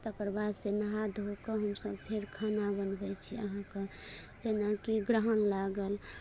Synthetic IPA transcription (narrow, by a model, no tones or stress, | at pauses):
t̪əkɾbad̪senəɦad̪ʱɦokəɦəmsəbpʰeɾkʰanabənbɛt͡ʃʰiə̰ɦãke | d͡ʒenakiɡɾəɦənlaɡəl